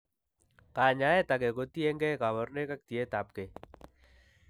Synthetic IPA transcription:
ka˨ɲa˦e˦t̪ake˨kot̪i˦e˦ŋɡekaβɔ˨rneka˦k̚t̪i˨e˦t̪ap̚ke

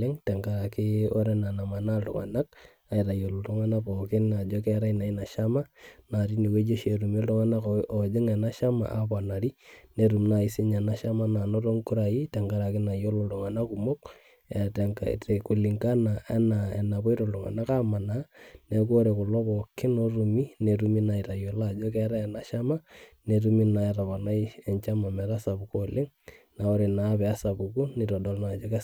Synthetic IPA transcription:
ɛ˦ŋtɛ˨ŋka˦ɾa˨kɪ˦o˦ɾɛ˦na˨na˨ma˨na˦ltʊ̰˨ŋa̰˨na˦k̚ | a˨i˨ta˨jo˨lɔ˨tu˦ŋa˦na˦pɔ˨kɪ˦na˨d͡ʒɔ˦kɛ˦ɾa˦i˦na˨i˦na˨ʃa˦ma˦na˨ɾi˦ni˨we˦d͡ʒe˦ʃe˨ɾu˨me˦ltʊ˦ŋa˦na˦ko˨d͡ʒɪ˦ŋɛ˨na˦ʃa˦ma̰˨ʔa̰˨pa˨na˨ɾi˦ne˨ɾu˨mna˨i˦sɪ˦ɲa˨na˦ʃa˦ma˦na˨no˦to˦ŋku˦ɾa˨ji˦tɛ˨ŋka˦ɾa˨kɪ˦na˨jo˦lɔ˨ltɔ˨ŋa˨na˦ku˨mo˦k | ɛ˨tɛ˨ŋa̰te˨ku˨li˨ŋka˦na˨ɛ̰˦na˨ɛ˨na˨βɔ˦i˦ɾɔ˨ldɔ˨ŋa̰˨na˦ka˦ma˨na˨˦ne˨ko˦ɾe˨kʊ˨lɔ˦bɔ˨kɪ˦no˦ru˨mi˦ne˨ɾu˦mi˦na˨i˨ɾa˨jɔ˨la˦d͡ʒɔ˦kɛ˦ɾa˦ɛ˨na˨ʃa˦ma˦ne˨ɾu˦mi˦na˨ɛ˨ɾa˨βa˨na˦ie˨ɲt͡ʃa˦ma˨mɛ˨ɾa˦sa˨buko˨le˦ŋ | na˨o˦ɾe˨na˨˦βɛ˨a˦sa˨bu˨ku˦ni˨tɔ˨dɔ˨lna˨d͡ʒɔ˦kɛ˦

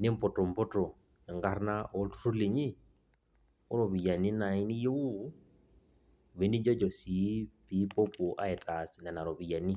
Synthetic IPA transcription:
nɪ˦m̩˦pɔ˨tɔ˨m̩˨pɔ˦tɔ˨ | ɛ˨ŋɡa˦ɾna˦ʔɔ˦tʰu̥˦ɾu˦le˨ɲi˦ | ʊ˦ɾɔ˨βi˨ja˨ni˦na˨i˦ni˦je˦u˦ | βe˨˦ni˦d͡ʒɔ˦d͡ʒɔ˨si˨˦pi˨˦pɔ˦pu˨ʔa̰˦ɛ˨ta˨si˨na˨na˨ɾɔ˨βi˨ja˨ni˦

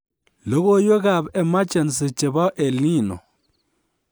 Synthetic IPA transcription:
lo˦ɣo˦jo˦ɣa˦˨bɛ˨ma˦t͡ʃɛ˨nsɪ˨t͡ʃe˨ba˦ʔe˨li˦˨nɔ̰˨

